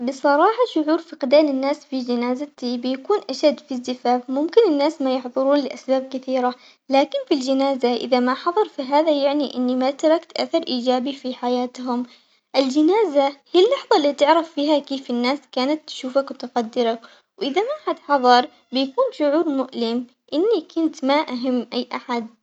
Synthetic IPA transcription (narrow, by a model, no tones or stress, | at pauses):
bɨsˤɑɾˤɑːħɑʃʊʕuːɾfɪqd̪aːlɪnːaːsfid͡ʒɪnaːzat̪ibɪjakuːnʔaʃad̪ːfizːɪfaːfmʊmkɪnɪnːaːsmajɪħðˤʊɾuːnlɪʔasbaːb̚kɪθiːɾa | laːkɪnfild͡ʒɪnaːzaʔɪ̰ðamaħɑðˤɑɾˤfiɦaːðajaʕniʔɪnːimat̪ɾˤɑkt̪ʔa̰θɑɾˤʔiːd͡ʒaːbifiħajaːt̪ɦʊm | ʔɪld͡ʒɪnaːzahijalːɑħðˤɑlːiːt̪ɪʕɾafːiːɦakeːfɪnːaːskaːnat̪ːʃuːfakwt̪ɪqad̪ːɪɾak | wʔɪðamaħad̪ħɑðˤɑɾˤ | bɪjakuːnʃʊʕuːɾmʊʔlɪm | ʔɪnːikʊnt̪maʔaɦamːʔajːʔa̰ħad̪̚